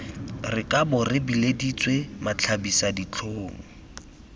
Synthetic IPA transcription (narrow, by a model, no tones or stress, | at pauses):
rɪkʼabʊrɪbiledit͡swemat͡ɬʰabisadit͡ɬʰoːŋ̩